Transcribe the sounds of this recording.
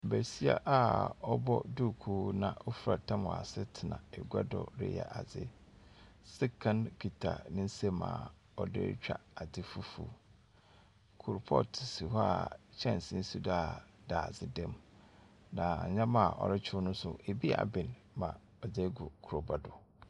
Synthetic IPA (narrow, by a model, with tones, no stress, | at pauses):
bæ˨si˦a̰˦ʔa˦ɔ˦bɔ˦du˦˨kʰuː˦nã̰˨o˦fu˦ɾa˨tʰã˦mɔ̃˨a̰˨sɪ˦tʰɪ˨nã˨ɛ˨ɡʷa˦dɔ̰˨ɾɪ̰˦jɛ̰˨ʔa˨d͡zɪ̰˦ | sɪ˦kʰã˦npʰi˨tʰa̰˨nɪ̃˦n̩˦sẽ˦mã̰ː˨ | ɔ˨dɪ̰˦t͡ɕᶣa̰˨a˨dɪ˦fu˦fṵ˨ | kʰʊ˨ɾʊ˨pʰɔ˦tʰɪ˨si˨ɦɔ˦a̰˨t͡ɕʰɛ̃˦˨n˨sɪ̃˦n̩˦su˦da˦˨ | daː˨zɪ˦dɛ̃˦m | nã̰˨ɲã˦mã˨ʔɔ̰˨ɾɪ˦t͡ɕʰʊ˦nʊ̃˦sʊ˨ʔe˨bi˦a̰˨bɪ̃˨n | mã˨ | ɔ˨d͡ze˦ɡʊ˨kʰʊ˨ɾo˨ba˦dʊ˨